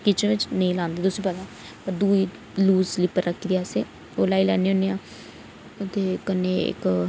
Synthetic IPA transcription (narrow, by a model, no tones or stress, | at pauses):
kɪt͡ʃẽʋɪt͡ʃnəĩːlãːnd̪eːd̪ʊsiːpəd̪ãː | pəɾd̪uːiː | luːslɪpəɾəkʰid̪ijaːseː | oːlaːilɛːneːoːneːãː | t̪eːkəneːɪ̰k